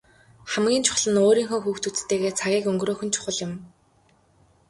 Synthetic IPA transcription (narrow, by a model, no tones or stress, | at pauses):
χæmɡʲiːnt͡ɕʰʊ̥χɮə̆noːɾiːŋxoːxuːxt̪ut͡st̪eːɣeːt͡sʰaɣʲiːkɵŋɡroːxɵ̆nt͡ɕʰʊ̥χə̆ɮjɪ̆m